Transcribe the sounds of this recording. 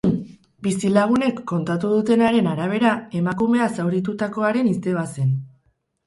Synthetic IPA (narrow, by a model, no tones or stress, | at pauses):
bisilaɣ̞une̞kːo̞nt̪at̪uðut̪e̞naɾe̞naɾaβ̞e̞ɾae̞makume̞asawɾit̪ut̪ako̞aɾe̞nist̪e̞β̞ase̞n